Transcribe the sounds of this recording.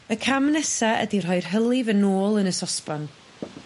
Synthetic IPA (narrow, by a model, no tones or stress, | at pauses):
əkʰamnɛsaə̰dir̥ɔjr̥ɦəlˠɪvənoːlˠənəsɔspan